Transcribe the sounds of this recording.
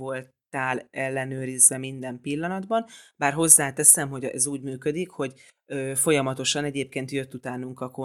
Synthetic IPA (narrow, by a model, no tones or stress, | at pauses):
o̞lt̪aːlɛlːɛnøːɾizʋɛmind̪ɛmpilːɒnɒd̪bɒnbaːrɦo̞zːaːt̪ɛsɛmɦo̞ɟɛ̰zuːɟmyːkød̪ikho̞ɟ | øːfo̞jɒmɒt̪o̞ʃɒnɛɟeːp̚keːnt̪jø̞t̪ːut̪aːnuŋkɒko